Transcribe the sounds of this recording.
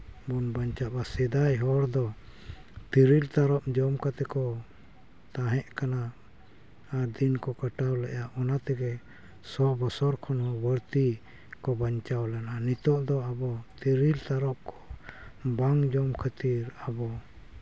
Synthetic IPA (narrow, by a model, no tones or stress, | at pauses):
bɔnbaɲt͡ʃapasɛd̪ajɦɔɾd̪ɔ | t̪iɾilt̪aɾɔp̚d͡ʒɔmkat̪ɛkɔ | t̪aɦɛʔkanaː | ɾd̪inkɔkaʈawlɛʔjaʔɔnat̪ɛɡɛ | sɔbɔsɔɾkʰɔnhɔbəɾt̪i | kɔbaɲt͡ʃawlɛnanit̪ɔʔd̪ɔabɔt̪iɾilt̪aɾɔp̚kɔ̥ | baŋd͡ʒɔmkʰət̪iɾabɔ